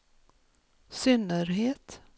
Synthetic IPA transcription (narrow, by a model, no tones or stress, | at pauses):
sʏnːəɾɦeːt̪